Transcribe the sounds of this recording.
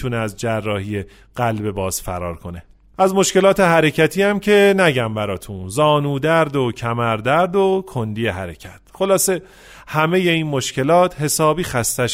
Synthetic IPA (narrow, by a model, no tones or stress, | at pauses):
uneæzd͡ʒærːɒːhije | ɢ̥ælbe̞bɒːz̥fæ̰ɾɒ̰ːɾkʰo̞ne | ʔæzmo̞ʃce̞lɒːt̪ʰe̞ɦæɾecʰæt̪ʰiːæmcʰe̞næɟæmbæɾɒːt̪ʰunzɒːnuːd̪æɾd̪ocʰæmæɾd̪æɾd̪okʰo̞nd̪iːjeɦæɾecʰæt̪̚ʰxo̞lɒːse̞ | hæme̞je̞inmo̞ʃce̞lɒːt̪ʰhe̞sɒːbiːxæst̪æʃ